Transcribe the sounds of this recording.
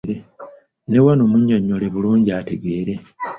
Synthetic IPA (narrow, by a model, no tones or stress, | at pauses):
ɾe | ne̞wanoːmuɲːaɲːoleβuluːɲɟiate̞ɡeːɾe̞